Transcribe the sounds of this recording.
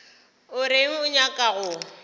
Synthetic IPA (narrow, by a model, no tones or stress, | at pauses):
ʊɾɪŋ̩ʊɲakʼaɣʊ